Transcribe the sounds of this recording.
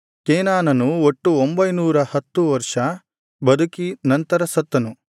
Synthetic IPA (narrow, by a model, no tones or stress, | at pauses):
keːnaːnɐnuoʈːuombɐjnuːɾɐhɐt̪ːuʋɐɾʂɐ | bɐd̪ʱukinɐnt̪ɐɾɐsɐt̪ːɐnu